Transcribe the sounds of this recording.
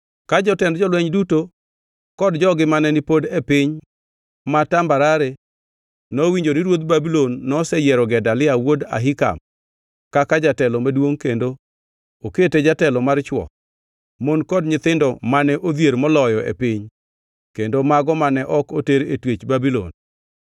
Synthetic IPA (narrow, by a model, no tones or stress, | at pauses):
kad͡ʒɔtɛndd͡ʒɔlwɛɲduto | kɔdd͡ʒɔɡɪmanɛnipodepɪɲ | matambaɾaɾe | nowiɲd͡ʒoniɾwot̪̚babilonːɔsɛjɛɾɔɡɛdalɪawoda̰ɦika̰m | kakad͡ʒatɛlɔmadwoŋkendo | oketed͡ʒatɛlɔmart͡ʃwɔ̰ | monkɔdɲɪt̪ɪndɔmanɛʔod̪jeɾmɔlɔjɔʔḛpɪɲ | kendomaɡɔmanɛʔɔkoteɾetwet͡ʃbabilo̰n